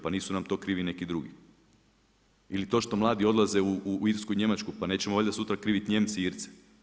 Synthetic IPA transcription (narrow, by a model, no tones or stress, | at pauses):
paniːsunamt̪o̞ːkɾiːʋine̞kid̪ɾuɡi | ilit̪o̞ːʃt̪o̞mlˠaːd̪io̞d̪lˠaze̞uuiɾskuiɲe̞mat͡ʃkupane̞ːt͡ɕemoolʲd̪asut̪ɾakɾiːʋit̪ɲe̞mt̪siiɾt̪se̥